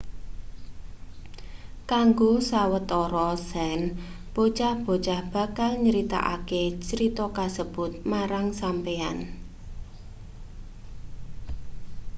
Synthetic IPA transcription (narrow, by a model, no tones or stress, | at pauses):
kaŋɡosawət̪ɔɾɔsɛn | b̥ot͡ʃahb̥o̤t͡ʃahb̥ä̤kalɲəɾit̪a̰ʔa̰ket͡ʃəɾit̪ɔkasəb̥ʊt̪̚maɾaŋsampean